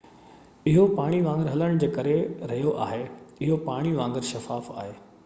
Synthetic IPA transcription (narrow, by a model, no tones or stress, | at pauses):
ɪɦopaːɽ̃iʋãːŋɡəɾɦɐləɽ̃d͡ʑeːkɐɾeɾɐɦijoʔa̰ːɦeɪɦopaːɽ̃iʋãːŋɡəɾʃɐfaːfa̰ːɦeː